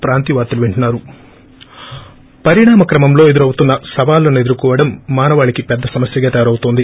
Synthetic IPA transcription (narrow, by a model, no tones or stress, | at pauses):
pɾaːnt̪iʋaːɾt̪uluʋeɳʈɐnːaːɾu | pɐɾiɳaːmɐkɾɐmɐmlo̞ːe̞d̪uɾɐwut̪unːɐsɐʋaːlːɐne̞d̪uɾukɔːʋɐɽɐmːaːnɐʋaːɭikipɛd̪ːɐsɐmɐsjɐɡɐːt̪ɛʋɐɾɐwut̪oːnd̪i